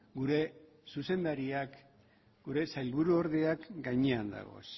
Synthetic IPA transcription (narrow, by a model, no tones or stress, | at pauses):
ɡuɾe̞ | suse̞nd̪aɾiak | ɡ̥uɾe̞sajlβuɾuo̞ɾðe̞akɡajɲeand̪a̰ɣ̞o̞̰s